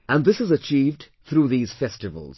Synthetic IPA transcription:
ə̃nðɪsəzət͡ʃʰiːvd | θɾuːðiːz̥fɛstɨvə̰l̩ˠz̥

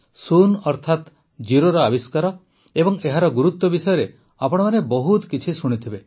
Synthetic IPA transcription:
sunɔɾt̪ʰat̪ | d͡ʒiɾoɾɔabiskaɾɔ | ebɔŋeɦaɾɔɡuɾut̪wɔbisɔjɔɾe | apɔɽ̃ɔmanebɔɦut̪kit͡ʃʰisuɽ̃it̪ʰibe

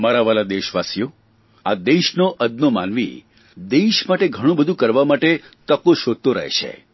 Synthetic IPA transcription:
maɾaʋalad̪eʃʋasjo | ad̪eʃnoʔəd̪noma̰nʋḭ | d̪eʃmaʈeɡʱəɽ̃ũbəd̪ʱũkəɾʋamaʈe | t̪əkoʃot̪ːoɾə̰ɦḛt͡ʃʰḛ

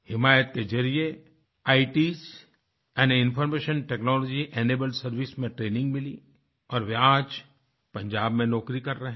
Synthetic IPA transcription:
hɪmaːjət̪̚ked͡ʒɐɾie | aːiʈiːs | ɛ̃ːneɪ̃nfʰɔːɾmeːʃə̃nʈeːknɔːlɔːd͡ʒiʔeːneːbəlsɐɾʋɪsmẽʈɾeːnɪ̃ŋɡmɪlḭ | ɔːɾʋeaːd͡ʒ | pɐ̃ɲd͡ʒaːbmẽnɔːkɾikɐɾːɐɦɛ̃

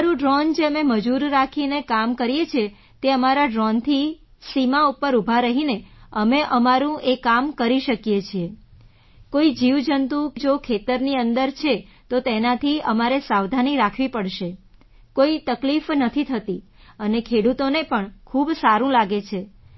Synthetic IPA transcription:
ɾũɖɾɔnd͡ʒeəmeməd͡ʒuɾːakʰinekamkəɾijet͡ʃʰe | t̪eəmaɾaɖɾɔnt̪ʰi | simaupːəɾubʱaɾəɦineəmeʔəmaɾũʔekamkəɾiʃəkjet͡ʃʰie | koid͡ʒiʋd͡ʒənt̪ũd͡ʒokʰet̪əɾniənd̪əɾt͡ʃʰe | t̪ot̪enat̪ʰiəmaɾesaʋd̪ʱaniɾakʰʋipəɽʃe | koit̪əklifnət̪ʰit̪ʰət̪i | ənekʰeɽut̪onepəɳkʰubsaɾũlaɡet͡ʃʰe

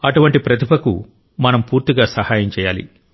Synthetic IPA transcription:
ɐʈuʋɐɳʈipɾɐt̪ipɐkṵ | mɐnɐmpuːɾt̪iɡaːsɐhaːjɐmt͡ʃɛːjaːlḭ

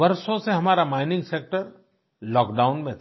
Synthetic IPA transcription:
ɐɾsõseɦɐmaːɾamaːɪnɪ̃ŋɡseːk̚ʈəɾ | lɔːkɖaːʊnmẽt̪ʰ

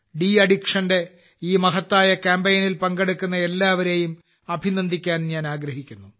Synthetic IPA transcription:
ɖiːɐɽikʂɐnde̞ | iːmɐɦɐt̪ːaːjɐkaːmbɐjnilpɐŋɡeɽukːunːɐe̞lːaːʋɐɾe̞jum | ɐbʱinɐnd̪ʱikʲːaːnɲaːnaːɡɾɐhikʲːunːu

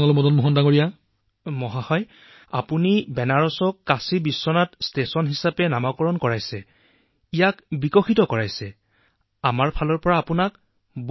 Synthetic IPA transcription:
ŋɔlʊmɔdɔnmuɦɔndaŋoɹija | mɔɦahɔj | a̰punibɛnaɹɔsɔkːasibisːɔnatstesɔnɦisapɛnamakɔɹɔnkɔɹajsɛ | ijakbikɔxitɔkɔɹajsɛ | amaɹpʰalɔɹpɔɹaːpunak | b

